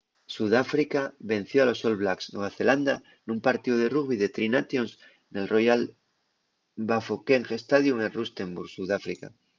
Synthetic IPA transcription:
suðafɾikaβe̞n̟θjoalo̞so̞lβlaksnweβaθeland̪a | nũmpaɾt̪iðoð̞e̞ruɣβiðe̞t̪ɾinat̪jons | ne̞lrojal | bafokeŋxe̞st̪að̞juŋelrust̪e̞mbuɾɣsuðafɾika̰

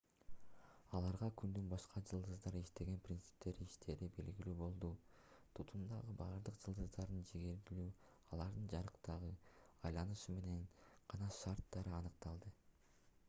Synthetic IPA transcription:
ɑlˠɑɾʁɑkʰynd̪ynbɑʃqʰɑd͡ʒɯlˠd̪ɯzd̪ɑɾɯiʃt̪e̞ɡe̞nprʲint̪sɨ̥p̚t̪e̞ɾiʃt̪ʰe̞ɾibe̞lɡilyːbo̞lˠd̪u | t̪ʰut̪ʰund̪ɑʁɯbɑːɾd̪ɯqd͡ʒɯlˠd̪ɯzd̪ɑɾd̪ɯnd͡ʒeɡeɾɡilyː | ɑlˠɑɾd̪ɯnd͡ʒɑɾɯqt̪ɑʁɯɑjlˠɑnɯʃume̞ne̞nqɑnɑʃɑɾt̪ːɑɾɯɑnɯq̚t̪ɑlˠd̪ɯ

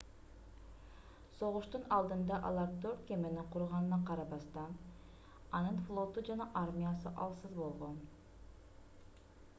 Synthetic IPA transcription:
so̞ʁuʃt̪unɑlˠd̪ɯnd̪ɑʔɑ̰lˠɑɾt̪øɾt̪̚kʲemeniqʰuɾʁɑnɯnɑqɑɾɑbɑst̪ɑn | ɑnɯnflˠo̞t̪ud͡ʒɑnɑʔaɾmʲijasɯʔɑlˠsɯzbo̞lˠʁo̞n

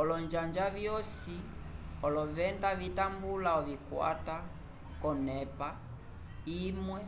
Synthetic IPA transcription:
ɔlɔnd͡ʒand͡ʒavjɔsiɔlɔvɛndavitambulaɔvikwa̰ta | kɔnɛpa | imwɛ

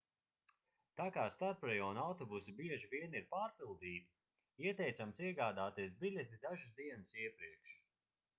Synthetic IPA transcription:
t̪aːkaːst̪aɾpɾɛjɔːnawt̪ɔbusibiɛʒiviɛniɾpaːɾpilˠd̪iːt̪i̥ | iɛt̪ɛjt̪samsiɛɡaːd̪aːt̪iɛsbilʲɛt̪id̪aʒɨsd̪iɛnɨsiɛpɾiɛkʃ

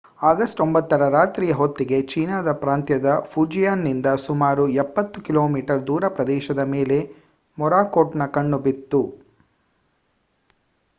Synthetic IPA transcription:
aːɡɐsʈombɐt̪ːɐɾɐɾaːt̪ɾiːjɐɦot̪ːɾiɡe̞t͡ʃiːnaːd̪ɐpɾaːnt̪jɐd̪ɐpʰud͡ʒijaːnːind̪ɐsumaːɾuɛpːɐt̪ːukilo̞ːmiːʈɐɾd̪uːɾɐpɾɐd̪ɛːʃɐd̪ɐmeːle̞ | mɔɾaːkoːʈnɐkɐɳːubit̪ːu

